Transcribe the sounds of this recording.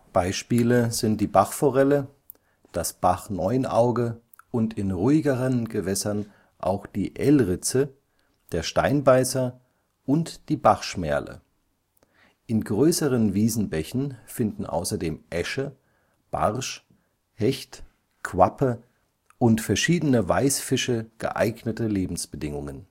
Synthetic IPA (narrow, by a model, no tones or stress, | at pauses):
b̥aɪʃpiːləzɪnt̚d̥iːbaχfɔʁɛlə | d̥asb̥aχnɔʏənʔaʊɡə | ʔʊntʰɪnʁuːɪɡəʁənɡəvɛsɐn | ʔa̰ʊxd̥iːʔɛlʁɪt͡sə | d̥eːɐʃtaɪnbaɪsɐ | ʔʊntd̥iːbaχʃmɛɐlʔə̰ | ʔɪnɡʁøːsəʁənviːzn̩bɛçn̩fɪndn̩ʔa̰ʊsɐdeːmʔɛʃə | b̥a̰ʁʃ | hɛçt | kʰv̥apʰə | ʔʊntfɛɐʃiːdənəvaɪsfɪʃəɡ̥ə̰ʔa̰ɪɡnətəleːbm̩sb̥ədɪŋʊŋən